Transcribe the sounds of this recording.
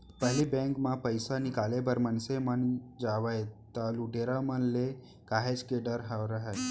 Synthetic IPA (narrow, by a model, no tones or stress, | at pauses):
pəɦlibɛ̃ŋkmãpəjsanɪkaːlebəɾmənsemənd͡ʒaːʋəet̪aluɖeːɾamənle | kaːɦed͡ʒkeɖəɾɦaɾəɦae